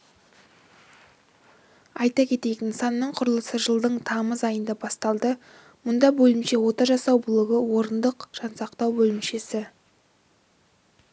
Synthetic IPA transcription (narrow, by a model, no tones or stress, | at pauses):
ɑjt̪ɑkʲʰe̞t̪e̞jt̪ɪnsɑnːəɴqʰʊɾəlˠəsəʒəlˠd̪əɴt̪ʰɑməzɑjənd̪ɑbɑst̪ɑlˠd̪ə | mʊnd̪ɑbɵlɪmʃe̞wo̞t̪ɑʒɑsɑwbʊlˠəʁəwo̞ɾənd̪əqʒ̥ɑnsɑqt̪ɑwbɵlɪmʃe̞sɪ